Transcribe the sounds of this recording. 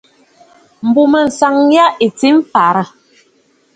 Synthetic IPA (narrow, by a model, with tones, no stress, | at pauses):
m̩˨bu˨mə˨n̩˨sa˨ŋ˦ja˦e˨t͡si˦m˦fa˨ɾə˦˨